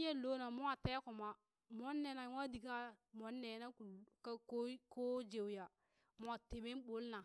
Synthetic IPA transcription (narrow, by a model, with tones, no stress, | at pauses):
je˦lo˦na˨mu˦a˨te˦kʊ˨ma˨ | mo˦nːe˨˦na˨˦ŋa˦di˨ka˦mo˨nːe˨˦na˦ku˨kkko˦d͡ʒe˨wja˨ | mu˦a˨te˨me˦n˦bo˦lna˨